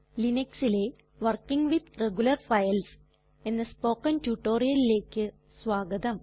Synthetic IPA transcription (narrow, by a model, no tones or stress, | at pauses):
lineksile | ʋɐrkiŋɡʋid̪reɡulɐrfɐjɐls | end̪ɐspoːkɐntuʈːo̞ːɾijɐlile̞ːkːɨ | sʋaːɡɐd̪ɐm